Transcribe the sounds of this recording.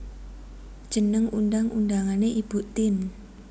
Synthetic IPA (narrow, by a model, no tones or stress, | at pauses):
d̥ʒ̥ənəŋundaŋʔundaŋaneʔib̥ut̪ɪn